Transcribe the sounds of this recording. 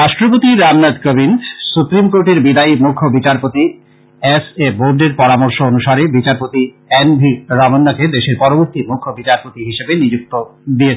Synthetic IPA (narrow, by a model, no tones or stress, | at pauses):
ɾaʃʈɾopot̪iɾamnad̪kobinsupɾimkoɾʈeɾbid̪aimukʰːobit͡ɕaɾpot̪i | eseboɾɖeɾpɔɾamoɾʃoonuʃaɾebit͡ɕaɾpot̪i | enbʱiɾamonːaked̪eʃeɾpɔɾoboɾt̪imukʰːobit͡ɕaɾpot̪iɦiʃebenid͡ʑuk̚t̪od̪ie